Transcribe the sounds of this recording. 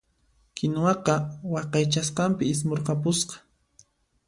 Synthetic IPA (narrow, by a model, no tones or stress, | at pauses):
kɪnwɑqɑwɑqɑjt͡ʃasqɑmpɪɪs̬moɾqɑpʊsqɑ̥